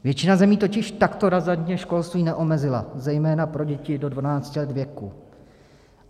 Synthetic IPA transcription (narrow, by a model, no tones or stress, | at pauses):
vjɛt͡ʃɪnazɛmiːt̪o̞cɪʃt̪akt̪o̞ɾazadɲɛʃko̞lst̪viːnɛʔo̞mɛzɪla̰zɛjmɛːnapɾo̞ɟɛcɪdo̞dvanaːt͡scɪlɛd̪vjɛkṵ